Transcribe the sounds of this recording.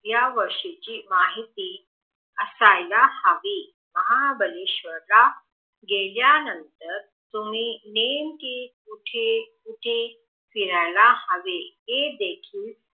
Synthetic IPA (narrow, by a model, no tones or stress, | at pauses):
jaʋəɾʂit͡ɕiːmaɦit̪i | əsajlahəʋe | məɦabəliɕʋəɾla | ɡeljanənt̪əɾ | t̪um̤iːnemkikuʈʰekuʈʰe | fiɾajlahəʋeɦed̪ekʰiːl